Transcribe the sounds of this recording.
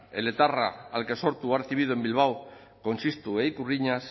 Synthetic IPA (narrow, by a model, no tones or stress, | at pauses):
elet̪araalke̞so̞ɾt̪uaɾθiβ̞iðoembilβ̞aw | ko̞nsist̪uejkuriɲas